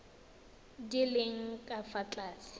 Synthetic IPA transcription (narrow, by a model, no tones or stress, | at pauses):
dileŋ̩kʼafat͡ɬʼaːsɪ̥